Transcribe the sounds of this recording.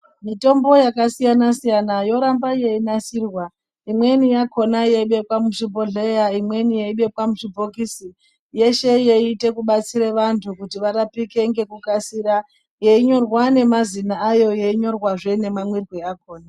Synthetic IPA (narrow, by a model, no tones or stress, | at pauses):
mito̞mbo̞jakasijanasijanajo̞ɾambaje̞inasiːrwa | imwe̞nijakʰo̞najeiɓe̞kwamuʐibo̞ɮejaimwe̞nijeiɓe̞kwamuʐibʱo̞kisi | je̞ʃe̞jeite̞kuɓat͡siɾeʋantʰukutiʋaɾapike̞ŋɡe̞kukasiɾa | je̞iɲo̞rwane̞mazinaːjo̞jeiɲo̞rwaʐe̞ne̞mamwirweako̞ːna